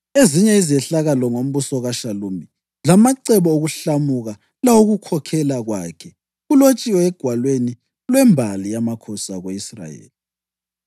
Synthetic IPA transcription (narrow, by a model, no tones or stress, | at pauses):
eziɲɛizɛɬaɣalɔŋom̩βusɔɣaʃalumi | lamaǀɛβɔoɣuɬamuɣa | lawoɣukʰɔkʰɛlaɣwa̰kʰɛ | ɣulot͡ʃʼiwɔɛɡ̥ʱwalweni | lwɛmbʱalijamakʰɔsaɣweisra̰jḛːli